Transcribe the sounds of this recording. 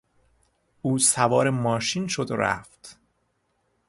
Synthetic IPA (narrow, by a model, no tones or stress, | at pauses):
uːsævɒːɾemɒːʃiːnʃod̪o̰ɾæ̰ft̪